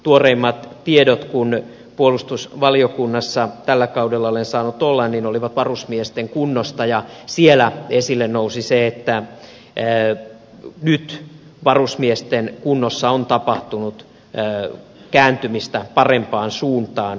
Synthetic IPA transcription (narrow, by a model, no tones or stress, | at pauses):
t̪uoreimːɑt̪tiedot̪kun | puolust̪usʋɑliokunːɑsːɑt̪ælːækɑudelːɑolensɑːnut̪olːɑnninoliʋɑt̪ʋɑrusmiest̪eŋkunːost̪ɑjɑsielæesilːennousiseet̪ːæ | nyt̪ | ʋɑrusmiest̪enkunːosːɑont̪ɑpɑht̪unut̪ː | kæːnt̪ymist̪æpɑrempɑːnsuːnt̪ɑːn